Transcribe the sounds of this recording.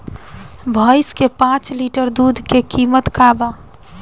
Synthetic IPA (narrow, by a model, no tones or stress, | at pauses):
bʱəɪskepãt͡ʃliʈəɾd̪ud̪ʱkekimət̪kaːba